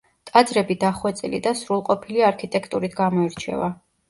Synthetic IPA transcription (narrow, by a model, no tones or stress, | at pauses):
t̪ʼad̪zɾɛbid̪aχwɛt̪sʼilḭd̪asɾulˠqʼɔpʰiliaɾkʰit̪ʼɛkʰt̪ʼuɾit̪ʰɡamɔiɾt͡ʃʰɛ̰va